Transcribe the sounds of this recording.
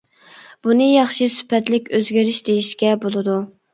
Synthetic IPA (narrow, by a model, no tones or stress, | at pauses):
b̥unɨjɑχʃisy̥pʰɛt̪lɪkʲøzɡʲiɾɪʃd̪ejiʃkʲɛbolˠɨd̪u